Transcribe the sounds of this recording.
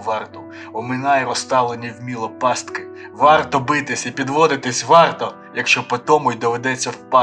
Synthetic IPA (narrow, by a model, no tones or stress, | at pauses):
ʋɑrt̪ʊ | ɔmɪnɑjɛɾɔst̪ɑlˠenʲiwmʲilˠɔpɑst̪kɪ | ʋɑrt̪ɔbɪt̪ɪsʲipʲid̪ʋɔd̪ɪt̪ɪsʲʋɑrt̪ɔ | jɐkʃt͡ʃɔpɔt̪ɔmʊjd̪ɔʋed̪ɛt͡sʲːɐwpɑ